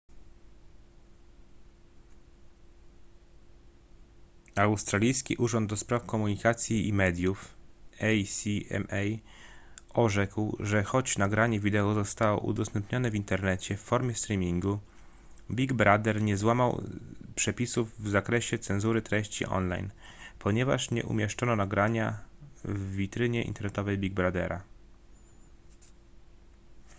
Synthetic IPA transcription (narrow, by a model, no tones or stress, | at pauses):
awst̪ɾalʲijskʲḭʔuʐɔnd̪̚d̪ɔspɾafkɔmuɲikat̪sʲjiimɛd̪ʲjufɛjsʲiɛ̰mɛj | ɔʐɛkwʐɛxɔt͡ɕnaɡɾaɲɛvʲid̪ɛɔzɔst̪awɔ̰ʔṵd̪ɔst̪ɛmpɲɔnɛvint̪ɛɾnɛt͡ɕɛfːɔɾmʲjɛst̪ɾʲimʲiŋɡu | bʲiɡbɾad̪ɛɾɲɛzwamawpʂɛpʲisuvːzakɾɛɕɛt̪sɛnzuɾɘt̪ɾɛɕt͡ɕḭʔɔ̰nla̰jnpʰɔɲɛva̰ʂɲɛ̰ʔṵmʲjɛʂt͡ʂɔnɔnaɡɾaɲa | vːʲit̪ɾɘɲɛʔḭnt̪ɛɾnɛt̪ɔvɛjbʲiɡ̚bɾad̪ɛ̰ɾa